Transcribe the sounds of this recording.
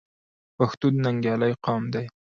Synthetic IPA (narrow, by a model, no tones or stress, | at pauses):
paxt̪ud̪naŋɡjɑlajqɑmd̪aj